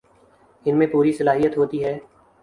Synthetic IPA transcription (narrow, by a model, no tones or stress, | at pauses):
ɪnmẽːpuːɾisəlaːɦijət̪ɦoːt̪iːɦɛː